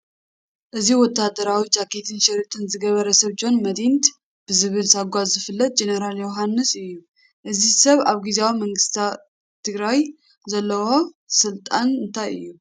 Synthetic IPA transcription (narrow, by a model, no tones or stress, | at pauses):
ʔɨziwɔt̪ʰːad̪əɾawid͡ʒakʰet̪ʰɨnʃɐɾɨt̪ʰɨnzɨɡɐβəɾəsɐβd͡ʒo̞nmɐd̪int̪ | b̥ɨzɨβɨlsaɡʷazɨfɨlːɐt̪̚d͡ʒe̞neɾaljoɦanːɨsɨjːu | ʔɨzisɐβaβɡizeawimɐŋɡɨst̪ʰa | t̪ʰːɨɡɾaj | zɐlːɐwo | sɨlt̪ʼanɨnt̪ʰajɨ̰jːu